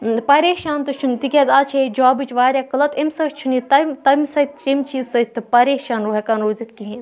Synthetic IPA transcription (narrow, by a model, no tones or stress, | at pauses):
pɐɾeːʃaːnt̪ɨt͡ʃʰunt̪ikʲɐːzʲat͡ʃʰed͡ʒaːbit͡ʃʋaːɾʲaːkɐlɐt̪emʲsɐt͡ʃʰunit̪ɐmt̪ɐmʲsɐt̪̚ʰʲt͡ʃemʲt͡ʃiːzsɐt̪ʰʲt̪ːɨpɐɾeːʃaːnɾoːɦekanɾoːzit̪̚kiɦẽz